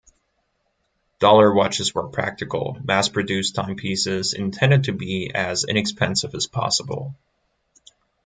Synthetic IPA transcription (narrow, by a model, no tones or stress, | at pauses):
d̥ɔlˠə˞wɑt͡ʃɨzwə̰˞pʰɹ̥æ̰k̚tɨkl̩ˠmæspʰɹ̥ɨdʉstʰãɪ̃mpʰisɪzɨ̰̃ntʰɛ̃ndɨd̚tʰɨbiɨzɪ̰̃ñɨkspɛ̃nsɨvɨz̥pʰɑ̰səbl̩ˠ